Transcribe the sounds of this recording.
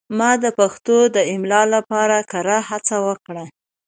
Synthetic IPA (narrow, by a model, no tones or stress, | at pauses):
mɑd̪əpaxt̪od̪əɪmlɑlapɑɾakaɾahat͡sawəkɽa